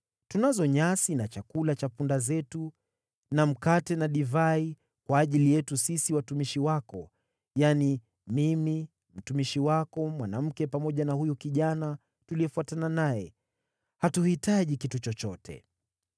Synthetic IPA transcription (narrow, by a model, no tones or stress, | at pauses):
tunazɔɲasinat͡ʃakulat͡ʃapundazɛtu | nam̩katɛnaɗivai | kwaːʄilijɛtusisiwatumiʃiwakɔ | jani | mimi | m̩tumiʃiwakɔmwanam̩kɛpamɔʄanahujukiʄana | tuliɛfuatananajɛ | hatuhitaʄikitut͡ʃɔt͡ʃɔtʰɛ̰